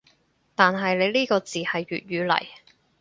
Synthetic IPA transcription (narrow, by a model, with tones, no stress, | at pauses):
t̪aː˨nɦɐ˨jle˨˧jliː˥kɔː˧t͡siː˨hɐ˨jɥy̰ː˨t̚ɥyː˨˧lɐ̰˨˩j